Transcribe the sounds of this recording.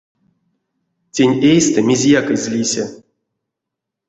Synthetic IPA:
tʲenʲejst̪ɨmʲezʲjakɨzʲlʲisʲa

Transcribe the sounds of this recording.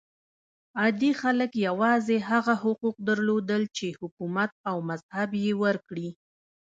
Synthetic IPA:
ɑd̪ixaləkjawɑzeɦaɣahʊquq̚d̪əɾlod̪əlt͡ʃehʊkumat̪̚awmazhabjewəɾkɽi

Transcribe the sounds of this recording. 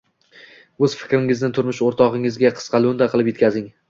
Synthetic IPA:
ɵz̥fɪ̥kʲɾɪŋɪznɪt̪ʰʊɾmɪʃoɾt̪ʰɒʁɪŋɪzɡʲaqʰɨ̥sqɑlˠɵnd̪aqʰɨlˠɪpje̞t̪kʲʰazɪŋ

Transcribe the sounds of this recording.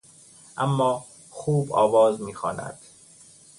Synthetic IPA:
ʔæmːɒː | xuːbɒːvɒːzmiːxɒːnæ̰d̪̥

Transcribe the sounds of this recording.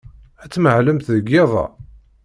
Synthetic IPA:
æt͡sːməʕləmθðəɡːeðˤɑ̰

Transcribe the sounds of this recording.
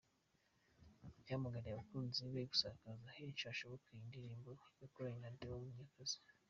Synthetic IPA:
jaːmaɡaɾiaβakuːnziβaɾiɡu̥saːkazahiit͡ʃaːʃoβokʰaindiɾiːmbojokuɾaiɲandewomuɲakaz̥i̥

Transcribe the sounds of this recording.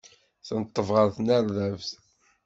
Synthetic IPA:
θənət̪ˤːəvʁəɾθnæɾðævθ

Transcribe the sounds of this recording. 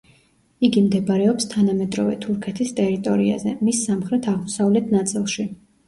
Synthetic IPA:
iɡimd̪ɛbɾɛɔpst̪ʰanamɛd̪ɾɔvɛ̰t̪ʰuɾkʰɛt̪ʰist̪ʼɛɾit̪ʼɔɾia̰zɛmisːamχɾɛt̪ʰaʁmɔsavlɛt̪ʰnat̪sʼilˠʃi

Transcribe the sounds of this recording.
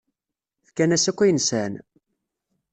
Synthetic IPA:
θkːænæsækʷːæjənsæn

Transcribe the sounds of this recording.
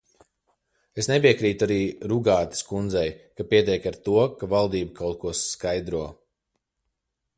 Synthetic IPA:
esnep̬iɛkɾiːt̪uaɾiːɾuɡaːt̪i̥skund̪zɛjkapiɛt̪ɛjkaɾt̪uɔkavalˠd̪iːbakʰawt̪̚kuɔsːkajd̪ɾuɔ

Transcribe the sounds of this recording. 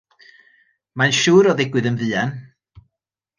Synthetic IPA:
manʃuːɾɔðɪɡwɨðənvɨːan

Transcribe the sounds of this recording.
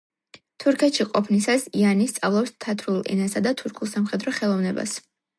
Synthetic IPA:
t̪ʰuɾkʰɛt̪ʃiqʼɔpʰnisasianist̪sʼavlˠɔpst̪ʰat̪ʰɾulˠɛ̰nasad̪at̪ʰuɾkʰulˠsamχɛd̪ɾɔχɛlˠɔvnɛba̰s

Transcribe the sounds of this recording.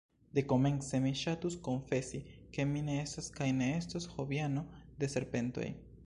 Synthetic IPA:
d̪e̞ko̞me̞nse̞miʃatusko̞nfe̞sike̞mine̞e̞staskajne̞estashobiano̞de̞se̞ɾpe̞nto̞̰j

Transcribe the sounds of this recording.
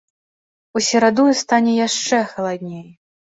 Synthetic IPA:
usʲɛɾad̪ujust̪anʲɛjaʂt͡ʂɛxɐlˠad̪ʲnʲej

